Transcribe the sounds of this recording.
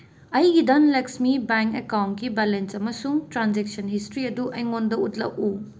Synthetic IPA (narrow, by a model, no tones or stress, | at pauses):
ɐjɡidɐnleksmibaŋkekawntkibalensɐmɐsuŋtɾanzek̚sɐnhistɾiɐduʔɐjŋondɐutlɐ̰k̚u